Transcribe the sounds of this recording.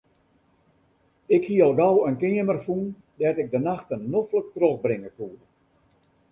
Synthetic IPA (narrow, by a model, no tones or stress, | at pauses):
ɪkhiəɔlˠɡɔwənkɪəmərfun | dɛtɪɡ̚dənaxtənːoflək̚troxbrɪŋəkuːrə